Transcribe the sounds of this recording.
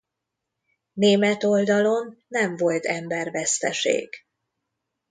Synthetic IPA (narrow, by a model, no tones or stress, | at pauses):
neːmɛt̪o̞ld̪ɒlo̞nːɛɱvo̞lt̪ɛmbɛrvɛst̪ɛʃḛːɡ̥